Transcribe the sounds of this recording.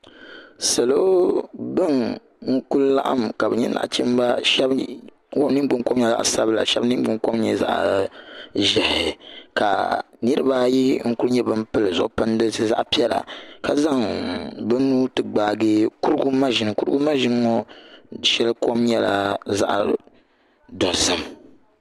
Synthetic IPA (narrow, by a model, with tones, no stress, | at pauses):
sɛ˨lo˦bɨ˦ŋ | ŋ̩˦ku˦lla̰˦ʔa̰˦mka˨bɛ˨ɲɛ˦na̰˨ʔt͡ʃɛ˦m˦ba˦ʃɛ˦b | wo˦nɨ˦ɡ͡bɨ˦ŋ˦ko˦m˦ɲɛ˦˨za̰˨ʔsa˦bla̰˨ʃɛ˦bnɨ˦ɡ͡bɨ˦ŋko˦m˦ɲɛ̰˦za̰˦˨ʔ | ʒɛ˨hɪ˨ka̰˨nɨ˦ɾɨ˦ba˦ji˦ŋ̩˦ku˦lɲɛ˦bɨ˦mpɨ˦lɨ˨zʊ̰˨ʔpɨ˦n˦dɨ˦sɨ˦˨za̰˦ʔpi˦ɛ˦la̰˨ka˦za˦ŋbɨ˦nuː˦tɨ˨ɡ͡baː˦˨ɡɨ˦ku˦ɾɡu˦ma˦ʒɪ˨nɨ˨ku˦ɾɨ˦ɡu˦ma˦ʒi˦n˦ŋɔ˦ʃɛ˦lɨ˦ko˦mɲɛ˦la̰˨za̰˦ʔ | dɔ˨zɨ˦m